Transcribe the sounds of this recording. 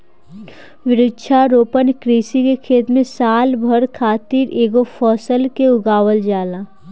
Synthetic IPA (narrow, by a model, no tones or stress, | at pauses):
ʋɪɾɪdʃʰaɾoːpənkɾiːsikekʰeːt̪mẽsaːlbʱəɾkʰaːt̪iːɾeːɡopʰɔːsəlkeʊɡaːwəld͡ʒaːlaː